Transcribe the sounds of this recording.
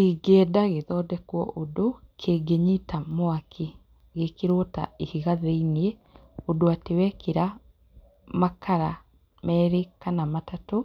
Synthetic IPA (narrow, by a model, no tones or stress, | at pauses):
iɡɛdaɣeðɔːdɛkwɔʔodokʰeːɡeɲitamoakʰi | ɣekeɾota̰ihiɣaðeiniɛ | odoatewɛkeɾa | makʰaɾa | mɛːɾekanamatato